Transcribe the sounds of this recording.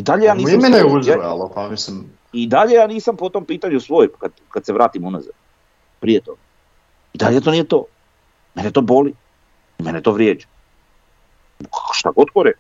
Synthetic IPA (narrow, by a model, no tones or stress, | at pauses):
id̪aʎejaːniːmenajuzuja̰lˠapamisim | id̪aʎejaːniːsampot̪o̞ːmpiːt̪aɲusʋoːjkad̪kad̪seʋɾaːt̪imunaza̰ɾ | pɾijet̪o̞ɡ̥a | id̪a̰ʎet̪oːnijet̪o̞ː | menet̪o̞ːboli | imenet̪oːʋɾjeːd͡ʒḁ | kʃt̪aɡod̪koɾe